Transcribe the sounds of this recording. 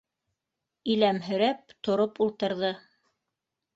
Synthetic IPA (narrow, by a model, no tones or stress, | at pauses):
ilæmɦɵ̆ɾæp̚t̪ŏɾopulˠt̪ɤ̆ɾðɤ